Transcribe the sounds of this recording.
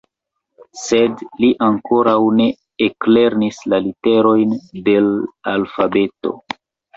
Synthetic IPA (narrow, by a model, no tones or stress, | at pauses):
se̞dliʔaŋko̞ɾawne̞ | ekle̞ɾnislalite̞ɾo̞jnde̞lalfabe̞to̞̰